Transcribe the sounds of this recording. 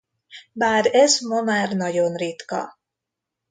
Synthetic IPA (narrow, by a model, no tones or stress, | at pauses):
baːɾɛzmɒmaːrnɒɟo̞nrit̪kɒ̰